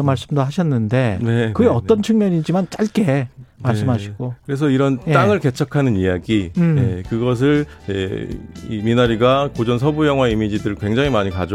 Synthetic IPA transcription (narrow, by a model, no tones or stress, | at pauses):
ʌmaɭs͈ɯmdoɦaɕʰʌnːɯnde̞nekɯɡeʌt͈ʌnt͡ɕʰuŋmjʌɲid͡ʑimant͡ɕ͈aɭk͈e̞maɭs͈ɯmɦaɕʰiɡ̥okɯɾe̞s̬ʰʌiɾʌnt͈aŋɯɭke̞t͡ɕʰʌkʰanɯnijaɡijekɯɡʌs̬ʰɯɭjḛiminaɾiɡakod͡ʑʌns̬ʰʌbujʌŋɦwaimid͡ʑidɯɯɭkwe̞ŋd͡ʑaŋimaɲikad͡ʑo